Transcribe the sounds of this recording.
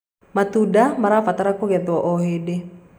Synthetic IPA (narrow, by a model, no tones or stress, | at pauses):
mat̪udamaɾafat̪aɾakoɡɛt̪uoʔoɦede